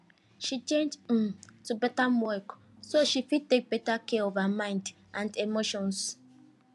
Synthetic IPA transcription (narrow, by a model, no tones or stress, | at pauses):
ʃit͡ʃẽnd͡ʒ̃mtubɛtamwɔk | soʃifid̚tek̚betakɛɔvəmãɪ̃nd | ʔãndemoʃɔ̃ns